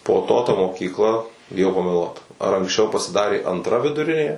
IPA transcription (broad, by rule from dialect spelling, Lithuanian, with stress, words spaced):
poː ˈtoː tɐ moːkʲiːkˈlˠɐ bʲɪˈjɛʊ pɐmʲɛˈlˠuɔt ɐr ɐŋksʲˈt͡ʃʲɛʊ pɐsʲɪˈdɑːrʲeː ɐntˈrɐ ʋʲɪdʊˈrʲɪnʲeː